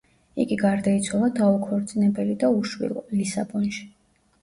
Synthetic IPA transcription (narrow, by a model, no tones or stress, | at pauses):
ḭɡiɡaɾd̪ait̪sʰwalˠad̪aukʰɔɾt̪sʼinɛbɛlid̪auʃwḭlˠɔ̰lisa̰bɔnʃi̥